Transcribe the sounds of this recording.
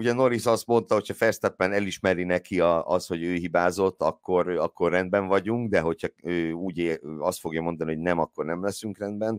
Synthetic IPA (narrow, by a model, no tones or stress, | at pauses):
uɟɛno̞ɾisɒst̪mo̞nt̪ɒɦo̞chɒfɛrst̪ɛpːɛnɛliʃmɛɾinɛkiɒst̪ho̞ɟøːɦibaːzo̞t̪ːɒkːoɾɒkʰːo̞rːɛnd̪̚bɛɱvɒɟuŋɡd̪ɛɦo̞chɒøːuːɟeɒst̪fo̞ɡjɒmo̞nd̪ɒnio̞ɟnɛmɒkːo̞rnɛmlɛsyŋkrɛnd̪bɛn